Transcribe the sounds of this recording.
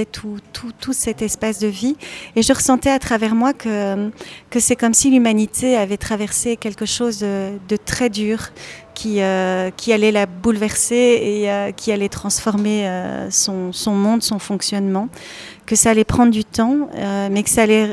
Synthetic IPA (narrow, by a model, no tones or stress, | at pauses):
ɛt̪ʰut̪ʰut̪usɛt̪ɛspasd̪əvieʒəʁəsɑ̃t̪ɛat̪χavɛʁmwakʰə | kəsɛkɔmsilymanit̪ʰeavɛt̪χavɛʁsekʲɛlkəʃoːzəd̪ət̪χɛd̪yːʁkʲʰiøkʲʰialɛlabulvɛʁseeøkʲʰialɛt̪χɑ̃sfɔʁmeø̰sɔ̃sɔ̃mɔ̃d̪sɔ̃fɔ̃ksjɔnmɑ̃ | kəsaːlɛpχɑ̃d̪ʁd̪yt̪ɑ̃ømɛkə̥saːlɛ